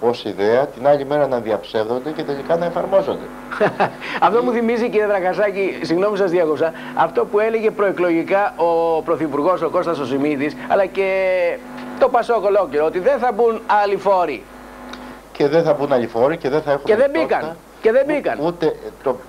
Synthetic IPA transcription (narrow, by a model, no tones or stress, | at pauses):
o̞siðeɐt̪inɐʎime̞ɾɐnɐðiɐpse̞vðo̞nd̪ece̞t̪eʎikɐnɐefɐɾmo̞zo̞nd̪e̞ | ɐft̪o̞muθimiziciɾjet̪ɾɐɣɐsɐcisiɣno̞misɐzðieko̞psɐ | ɐft̪o̞pue̞le̞ʝe̞pɾo̞eklo̞ʝikɐopɾo̞θipuɾɣo̞so̞ko̞st̪ɐso̞simit̪isɐ̰lɐce̞ | t̪o̞pɐso̞ko̞lo̞ceɾoot̪iðe̞nθɐbunɐlifo̞ɾḭ | ce̞ðenθɐbunɐʎifo̞ɾiceðenθɐe̞xueðe̞bikɐn | ce̞ðembikɐ̰nut̪et̪o